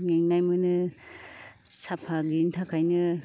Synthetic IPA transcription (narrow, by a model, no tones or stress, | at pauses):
ŋeŋnajmɯnɯ | sapʰaɡintʰakʰajnɯ